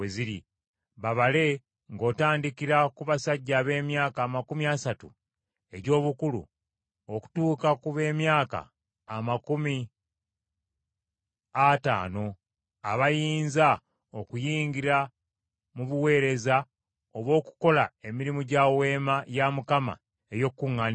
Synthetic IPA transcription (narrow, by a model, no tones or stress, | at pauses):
eziɾḭ | βaβale̞ | ŋɡo̞ːtaːndikiɾakuβasaɟːaːβe̞ːmjaːkaːmakumiasatṵ | e̞ɟo̞ːβukulṵ | oku̥tuːkakuβe̞ːmjaːka̰ː | makumi | ata̰ːno̞ | a̰βajiːnza | o̞kujiːɲɟiɾa | muβuwe̞ːɾe̞za | o̞βo̞ːku̥ko̞lae̞miɾimuɟawe̞ːmajamukama̰ | ejo̞kːuŋːan